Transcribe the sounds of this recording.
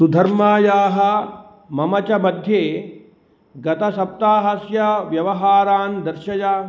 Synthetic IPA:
sud̪ʱɐɾmaːjaːɦɐ̆ | mɐmɐt͡ʃɐmɐd̪ʱjeː | ɡɐt̪ɐsɐp̚t̪aːɦɐsjɐʋjɐʋɐɦaːɾaːnd̪ɐɾʃɐjaː

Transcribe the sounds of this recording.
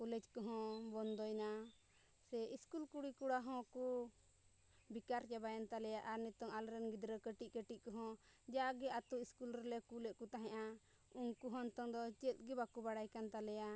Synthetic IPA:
kulɛd͡ʒkɔɦɔ̃bɔnd̪ɔjna | sɛiskulkuɽikuɽaɦɔ̃ku | bikaɾt͡ʃabajant̪alɛjaʔaɾnɛt̪ɔŋalɾɛnɡid̪ɾəkəʈiʔkəʈiʔkɔɦɔ̃ | d͡ʒaaɡɛat̪uiskulɾɛlɛkulɛʔkut̪aɦɛ̃ʔa | uŋkuɦɔnt̪ɔŋd̪ɔt͡ʃɛt̪̚ˀɡɛbakubaɽajkant̪alɛja

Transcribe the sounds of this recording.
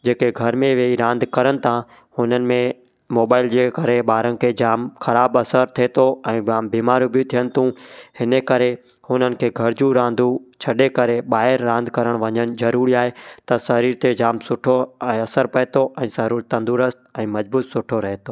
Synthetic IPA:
d͡ʑeːkeɡʱɐɾmẽʋeiɾãːnd̪ʱkɐɾəɽ̃ɪ̆t̪ʰã | hʊnənɪ̆mẽ | moːbaːɪld͡ʑeːkɐɾeɓaːɾənɪ̆kʰed͡ʑaːmxɐɾaːbɐsəɾt̪ʰit̪oɛ̃ːaːmbiːmaːɾjubiut̪ʰijənɪ̆t̪ʰũhɪnəkɐɾe | hʊnənɪ̆kʰeːɡʱɐɾd͡ʑũɾãːnd̪ʱut͡ɕʰɐɗekɐɾeɓaːɦɪɾːãːnd̪ʱkɐɾəɽ̃ʋɐɲəñɪ̆zɐɾuːɾiaːɦet̪ɐsɐɾiːɾt̪ed͡ʑaːmsʊʈʰoɛ̃ːɐsəɾpɐɦet̪oʔɛ̃ːsɐɾuːɾt̪ɐ̃nd̪uɾəst̪̚ɛ̃ːmɐd͡ʑbuːt̪sʊʈʰoɾɐɦet̪oː

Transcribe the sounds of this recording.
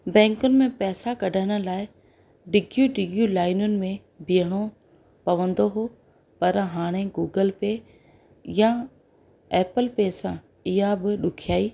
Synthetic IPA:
bɛ̃ːŋkʊnɪ̆mẽpɛːsakɐɖʱəɽ̃ʊ̆laːɪ | ɖɪɡjuɖɪɡjulaːɪnʊnɪ̆mẽ | bijəɽ̃o | pɐʋə̃nd̪oɦo | pɐɾɦaːɽ̃eɡuːɡəlpe | ja | ɛːpəlpesã | ɪɦabɪɗʊkʰijaːiː

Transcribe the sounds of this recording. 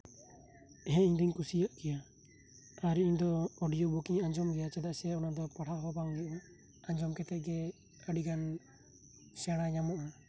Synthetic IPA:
ɦɛ̃iɲd̪iɲkusijaʔkɛja | aɾiiɲd̪ɔːɖijɔbɔkiɲaɲd͡ʒɔmɡɛjat͡ʃɛd̪aʔsɛɔnad̪ɔpaɽaɦɔbaŋɡɛʔɔ | aɲd͡ʒɔmkɛt̪ɛʔɡɛ | əɖiɡan | sɛɽ̃aɲamɔʔa

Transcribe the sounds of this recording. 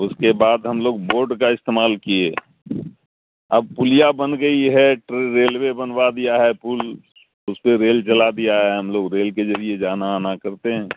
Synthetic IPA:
ʊskebaːd̪ɦəmloːɡ̚boːɾɖkaɪst̪eːmaːlkieː | əb̚pʊlijabənɡəiɦɛʈɾeɾeːlwebənbad̪ijaɦɛpul | ʊspeɾeːlt͡ʃəlad̪ijaɦɛɦɐmloːɡɾeːlked͡ʒəɾied͡ʒaːnaːnakəɾt̪eɦɛ̃ː

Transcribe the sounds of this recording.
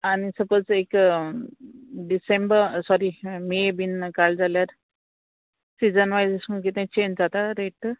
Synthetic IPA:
anisəpət͡sek | ɖisẽmbəɾsɔɾimebinkald͡zaljaɾ | siːd͡zənʋajsesə̃kit̪ẽt͡ɕẽnd͡zat̪aɾeʈ

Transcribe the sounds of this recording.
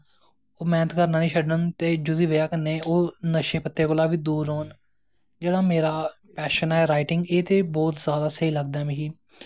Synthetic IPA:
oːmɛ̃ːnət̪kəɾnãːnĩːʃʰəɖnənt̪eːd͡ʒʊziːʋejaːkənːeːoːnəʃeːpət̪ːeːkolaːʋiːd̪uːɾɦoːn | d͡ʒeːɽaːmeːɾaː | pɛːʃənɛːɾaːɪʈɪŋɡeːt̪eːbɔːt̪zjaːd̪aːsəɦiːləɡ̚d̪aɛːmɛ̃ɦiː

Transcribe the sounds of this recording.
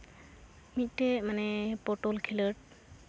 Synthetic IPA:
mitːemanɛpɔʈolkʰiləʈ̚

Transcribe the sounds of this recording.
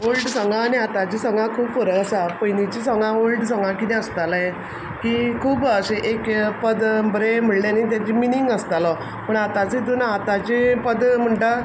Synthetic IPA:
ɦolʈsə̃ŋɡãːniat̪at͡ɕisəŋɡãkʰuːbfəɾəəsapəjnit͡ɕisəŋɡãʋolʈsə̃ŋɡãkit̪ɛ̃əst̪alajɛ | kikʰuːbəseʔekpəd̪bɾem̤əɽlanit̪̬jat͡ɕiminiŋɡəst̪alɔ | pəɳat̪at͡sed̪unat̪at͡ɕipəd̪m̤əɳʈa

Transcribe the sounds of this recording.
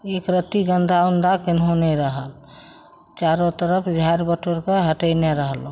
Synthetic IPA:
ekɾət̪iɡənd̪ʱaund̪ʱakɪnɦõnɛɾəɦəl | t͡ʃaɾõt̪əɾəpʰd͡ʒʱaɾbəʈoɾkeɦəʈəɪneɾəɦəlõ

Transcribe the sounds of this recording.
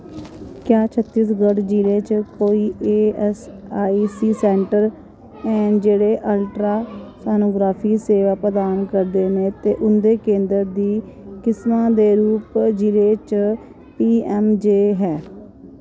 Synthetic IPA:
kjaːt͡ʃʰət̪ːiːsɡəɽd͡ʒiːleːt͡ʃkoːiːeːɛsaːiːsiːsɛːɳʈəɾ | ɛ̃ːnd͡ʒeːɽeːʔəlʈɾaːsaːnoːɡɾaːpʰiːseːʋaːpɾəd̪aːnkəɾd̪eːnẽːt̪eːʔʊnd̪eːkẽːnd̪əɾd̪iːkɪsmãːd̪eːɾuːpd͡ʒiːleːt͡ʃ | piːɛːmd͡ʒeːɦɛː

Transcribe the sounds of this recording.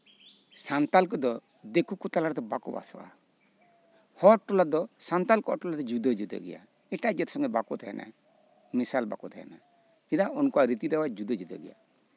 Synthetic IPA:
sant̪alkɔd̪ɔ | d̪ekukut̪alaɾt̪ɛbakɔba̰sɔ̰wa̰ | hɔʈɔlad̪ɔsant̪alkɔɔʈɔlat̪ɛd͡ʒud̪ɔd͡ʒud̪ɔ̰ɡɛ̰ja̰ | ɛʈad͡ʒɛt̪ʰsɔŋɡɛbakɔt̪ʰaja̰nʔa̰ | misalba̰kɔt̪aja̰na | kid̪aʔɔnkuaɾit̪id̪ɛwad͡ʒud̪ɔd͡ʒud̪ɔ̰ɡɛ̰ja̰

